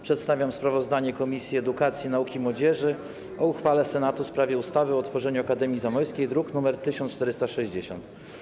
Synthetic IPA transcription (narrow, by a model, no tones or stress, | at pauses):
pʂɛt̪st̪avʲjamspɾavɔzd̪aɲɛkɔmʲisʲjiɛd̪ukat̪sʲjinaukʲimwɔd͡ʑɛʐɘ | ɔuxfalɛsɛnat̪uspɾavʲjɛust̪avɘɔt̪fɔʐɛɲuakad̪ɛmʲizamɔjskʲejd̪ɾuknumɛɾt̪ɘɕɔnt͡ʂt̪ɛɾɘst̪aʂɛʑd͡ʑeɕɔ̰nt̪